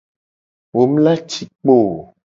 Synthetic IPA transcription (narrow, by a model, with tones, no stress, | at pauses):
wo˨˦m̩˦la˦t͡ʃi˨k͡po˦˨